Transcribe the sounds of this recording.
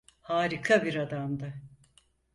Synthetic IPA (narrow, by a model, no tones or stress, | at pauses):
haːɾikʰabiɾad̪amd̪a